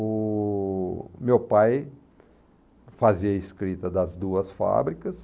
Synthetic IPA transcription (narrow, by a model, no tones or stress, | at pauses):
ʊ | mewpaj | faziɐiskɾit̪ɐd̪ɐzd̪uɐsfa̰bɾikɐs